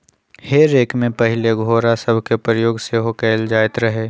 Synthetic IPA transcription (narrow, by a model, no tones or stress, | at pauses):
heːɾeːkmẽpəɦɪleɡʱoːɾasəbʱkepɾəjoːɡseɦokɛːld͡ʒaːɪt̪ɾəɦeː